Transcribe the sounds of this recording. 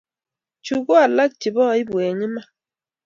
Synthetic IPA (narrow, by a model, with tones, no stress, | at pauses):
t͡ʃu˨ɡo˦a˨la˦k̚t͡ʃi˨bɔ˦˨˦i˦bwe˨ɲi˦ma˦